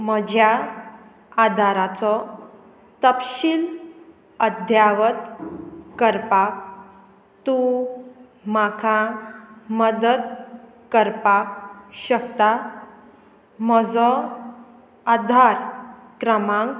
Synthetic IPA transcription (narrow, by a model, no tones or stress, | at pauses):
məd͡ʑʱja | ad̪ʱaɾat͡sɔ | t̪əpɕil | əd̪ʱjaʋət̪kəɾpak̚ | t̪u | makʰa | məd̪əd̪ | kəɾpakɕək̚t̪a | məd͡zɔ | ad̪ʱaɾkɾəmãŋk